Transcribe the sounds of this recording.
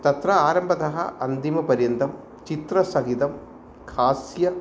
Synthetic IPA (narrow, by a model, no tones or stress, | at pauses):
t̪ɐt̪ɾɐaːɾɐmbʱɐd̪ɐɦɐ̰ʔɐnd̪imɐpɐɾjɐnd̪ʱɐm | t͡ʃit̪ɾɐsɐɦid̪ɐm | kʰaːsjɐ